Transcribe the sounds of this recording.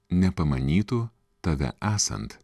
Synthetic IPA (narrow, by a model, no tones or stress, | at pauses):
nʲɛpɐmɐnʲiːt̪u | t̪ɐʋʲɛ̰ʔæːsɐ̰nt̪